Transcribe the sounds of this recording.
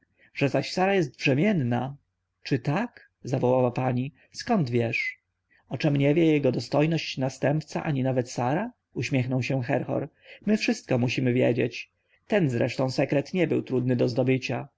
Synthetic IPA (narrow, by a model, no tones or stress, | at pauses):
ʐɛzaɕsaɾajɛst̪̚bʐɛmʲjɛnːa | t͡ʂɘt̪ak | zavɔwawapaɲi | skɔnd̪vʲjɛʂ | ɔt͡ʂɛmɲɛvʲjɛjɛɡɔd̪ɔst̪ɔjnɔɕt͡ɕnast̪ɛmpt̪saʔaɲinavɛt̪saɾa | uɕmʲjɛxnɔwɕɛxɛɾxɔ̰ɾ | mɘfʂɘst̪̚kɔmuɕimɘvʲjɛd͡ʑḛt͡ɕ | t̪ɛnzɾɛ̰ʂt̪ɔ̃w̃sɛkɾɛt̪ɲɛbɘ̰wt̪ɾud̪̚nɘd̪ɔzd̪ɔbɘt͡ɕa